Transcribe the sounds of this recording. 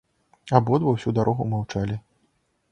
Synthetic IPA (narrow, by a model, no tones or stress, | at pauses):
abɔd̪vɐwsʲud̪aɾʔɔɣumawt͡ʂalʲi